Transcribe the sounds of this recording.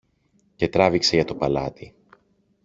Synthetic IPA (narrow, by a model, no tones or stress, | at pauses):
ce̞t̪ɾɐvikseʝɐt̪o̞pɐlɐt̪i